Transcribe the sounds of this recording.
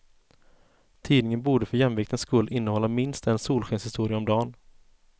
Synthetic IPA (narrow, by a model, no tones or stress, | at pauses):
t̪ʰiːd̪nɪŋənbuːɖəfœjɛmvɪkt̪ənskɵlːʔɪnːəhɔlːamɪnst̪ɛnsuːlɧɛnshɪst̪uːɾɪaɔmd̪ɑːn